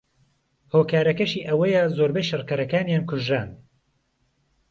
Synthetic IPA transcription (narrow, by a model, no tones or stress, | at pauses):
hoːkaːɾɐkɐʃiːʔɐwɐjɐzoːɾbɐjʃɨrkɐɾɐkaːnjaːnkʰʊʒɾaːn